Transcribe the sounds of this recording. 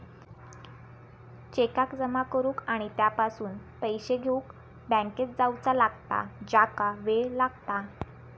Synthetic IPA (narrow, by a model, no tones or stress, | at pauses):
t͡ɕekakd͡zəmakəɾuːkaɽ̃it̪japasuːnpəjɕeɡʱeũk | bə̃ŋket͡sd͡zawt͡salaɡt̪a̰d͡ʑakaʋelaɡt̪a